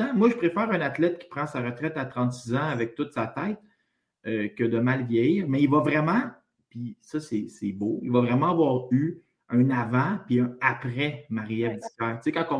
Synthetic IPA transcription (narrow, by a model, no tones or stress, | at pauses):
ãmwaʒəpʁefɛːʁɛ̃nat̪lɛt̪̚kʲi̥pʁɑ̃saʁət̪ʁɛt̪at̪ʁɑ̃t̪sizãavɛk̚t̪ʊt̪sat̪ɛɪt̪ | økʲəd̪əmalvjɛjiʁmɛilvavʁɛmɑ̃ | pisʌsɛsɛboḭlvavʁɛmãavwɑːʁy | œ̃navɑ̃piɛ̃apʁɛmaʁiɛvd̪ikaːʁt͡sekɑ̃kɔ̃